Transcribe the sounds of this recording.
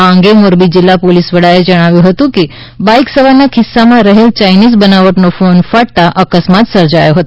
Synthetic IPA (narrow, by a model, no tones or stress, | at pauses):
əŋɡemoɾbid͡ʑilːapolisʋəɽaed͡ʒəɽ̃aʋjũɦət̪ũki | bajksəʋanakʰisːamãɾəɦelt͡ɕajnizbənaʋəʈnofonfaɽt̪aʔəkəsmat̪səɾd͡ʑajoɦət̪